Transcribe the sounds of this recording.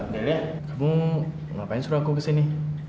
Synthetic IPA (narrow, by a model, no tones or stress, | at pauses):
delia | kamu | ŋapaɪnsuɾaakukəsini